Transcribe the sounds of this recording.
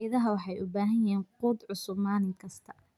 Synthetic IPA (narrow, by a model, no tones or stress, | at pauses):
ðɐɦɐwɑħɑjʔʊbaːɦɐnjɦɛːnquːd̪ʕʊsʊbmaːnɪŋkʰɐst̪ʰɐ̥